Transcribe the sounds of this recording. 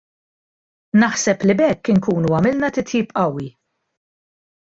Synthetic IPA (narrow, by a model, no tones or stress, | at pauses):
nɐħsɛplibɛkːɪŋkuːnuɐmɪlnɐt̪ɪt̪jiːpʔɐwːi